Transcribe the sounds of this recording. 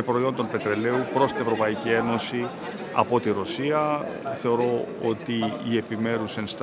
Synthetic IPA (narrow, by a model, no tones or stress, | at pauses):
epɾo̞io̞nd̪o̞npe̞t̪ɾe̞le̞upɾo̞st̪ine̞vɾo̞pɐicie̞no̞si | ɐ̰po̞t̪iɾo̞siɐθe̞o̞ɾo̞o̰t̪iːe̞pime̞ɾusenst̪